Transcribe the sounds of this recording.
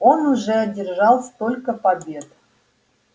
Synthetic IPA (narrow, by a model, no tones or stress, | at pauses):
onuʐɛdʲɪrʒɑlˠst̪olʲkəpabʲe̞t̪